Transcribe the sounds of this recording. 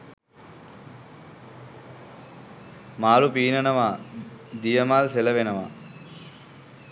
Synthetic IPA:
maːlupiːnənəʋad̪ijəmaːlseləʋenəʋa̰

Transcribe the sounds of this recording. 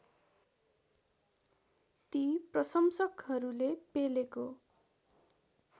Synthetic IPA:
t̪iprʌsʌmsʌkɦʌɾulepeleko

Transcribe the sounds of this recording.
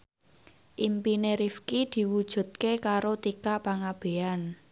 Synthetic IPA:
ʔimpineɾifkid̪̥i̤wud̥ʒ̥ṳt̪̚kekaɾot̪ikaʔpaŋab̥e̤an

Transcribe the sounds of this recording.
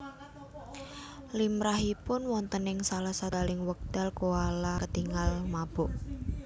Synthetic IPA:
limɾaɦipʊnwɔnt̪ənɪŋsalahsad̪alɪŋwək̚d̪̥alkoalakət̪iŋalmab̥ɔʔ

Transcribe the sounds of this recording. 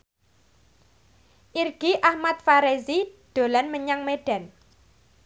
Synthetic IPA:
ʔirɡ̥iʔahmat̪̚faɾezid̪̥o̤lanməɲaŋmeɖ̥a̤n

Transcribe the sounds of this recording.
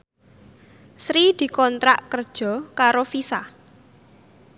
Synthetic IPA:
sɾid̪̥i̤kɔnt̪ɾaʔkərd̥ʒ̥ɔ̤kaɾofisa

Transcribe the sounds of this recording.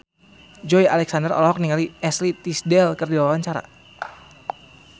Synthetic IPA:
d͡ʒɔjalɛksandərɔ̰lɔɦɔk̚niŋaliɛslit̪isdɛlkərdilawaɲt͡ʃaɾa̰

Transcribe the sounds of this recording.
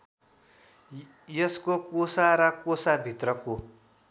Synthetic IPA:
jʌskokosaɾʌkosabʱit̪rʌko

